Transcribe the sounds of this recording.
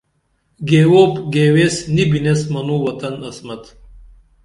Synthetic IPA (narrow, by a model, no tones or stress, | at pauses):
ɡeːwoːpɡeːwesnibinesmɐnuːwɐt̪ɐnɐsmɐt̪